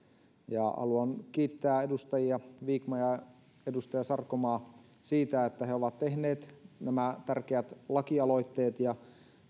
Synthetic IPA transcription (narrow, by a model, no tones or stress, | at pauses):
jɑ̰hɑ̰luɑnkiːt̪ːæːedust̪ɑjiɑʋiːkmɑjɑ | edust̪ɑjɑsɑrkomɑː | siːt̪æet̪ːæheoʋɑt̪t̪ehneːt̪næmæt̪ærkeæt̪lɑkiɑlo̞it̪ːeːt̪jɑ